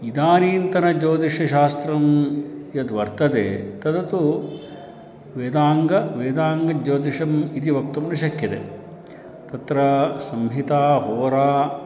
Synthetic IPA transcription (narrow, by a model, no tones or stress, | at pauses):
id̪aːniːnt̪ɐnɐd͡ʒoːd̪iʂɐʃaːst̪ɾɐmjɐd̪ʋɐɾt̪ɐd̪ḛːt̪ɐd̪ɐt̪u | ʋeːd̪aːŋɡɐʋeːd̪aːŋɡɐd͡ʒoːd̪iʂɐmit̪iʋɐk̚t̪umnɐʃɐkʰjɐt̪ḛ | t̪ɐt̪ɾɐsɐmɦit̪aːɦoːɾaː